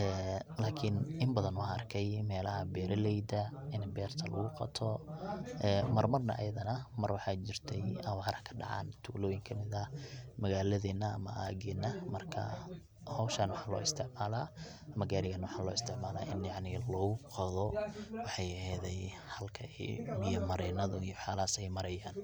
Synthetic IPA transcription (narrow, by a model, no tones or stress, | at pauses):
ɛːlaːkʰɪnɪmbɐðɐnwɑrkʰɛjmɛːlɐɦɐbɛːɾɐlɛjd̪ɐ | ɪnbɛːrt̪ʰɐlɐɣʊqɑ̰t̪ʰɔ | ɛːmɐrmɐrnɐ̰ʔɐ̰jɐðɐnɐmɐrwɑħɑjt͡ʃɪrt̪ʰɛjɐwaːɾɐkʰɐ̥ɖɑ̰ʕɑ̰ːnt̪ʰuːlɔːjɪŋkʰɐmɪðɐmɐɣaːlɐðɛːnːɐɐ̰mɐ̰ʔa̰ːɣɛːnːɐmɐrkʰɐ̰ | hɔwʃɐnwɑħɑːlɔ̰ːɪst̪ʰɪʕmaːlaː | mɐɣaɾɪɣɐnwɑħɑːlɔːɪst̪ʰɪʕmaːla̰ːʔɪnjaʕnɪlɔːɣʊqɑðɔwɑħɑjɐhɛːðɛj | hɐlkʰɐɛ̰mɪjɐmɐɾɛːnɐðɔijɔħaːlaːsɛjmɐɾɐjaːn